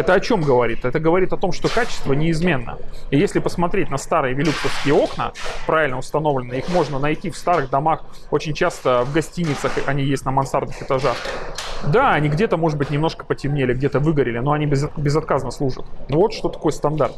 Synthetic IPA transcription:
ɛt̪əɐt͡ɕo̞mɡəvɐɾʲit̪ɛt̪əɡəvɐɾʲit̪ɐt̪o̞mʂt̪o̞kat͡ɕɪ̥st̪vənʲɪːzmʲe̞nːə̰ijesʲlʲɪpəsmɐt̪ɾʲet̚ʲnɐst̪aɾɨjəvʲɪlʲuksəfsʲkʲɪjəo̞knə̰pɾʔavʲɪlʲnəʊst̪ɐno̞vlʲɪnːəixmo̞ʐnənɐjtʲifst̪aɾɨɣd̪ɐmax | o̞t͡ɕɪnʲt͡ɕast̪əvɡɐsʲtʲinʲːɪt̪səxɐnʲijesʲtʲnəmɐnsard̪nɨxɨt̪ɐʐaxd̪aɐnʲiɡdʲet̪əmo̞ʐɨt̪bɨtʲnʲɪmnoʂkə̥pətʲɪmnʲelʲɪɡ̚dʲe̞t̪əvɨɡəɾʲɪlʲɪnoɐnʲibʲɪzbʲɪzɐt̪̚kaznəslˠuʐə̰t̪nvo̞t̪ʂt̪o̞t̪ɐ̥ko̞jəst̪ɐnd̪a̰rt̪

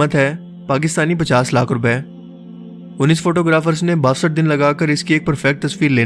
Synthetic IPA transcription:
ət̪ɦɛ | paːk̬ɪst̪aːnip̬ɐt͡ʃaːslaːkʰɾʊpɛː | ʊnːiːsfoːʈoːɡɾaːfəɾznebaːʋsəʈ̚d̪ɪnlɐɡaːkəɾɪskieːk̚pɐɾfʰɛk̚ʈ̚t̪ɐswiːɾleː

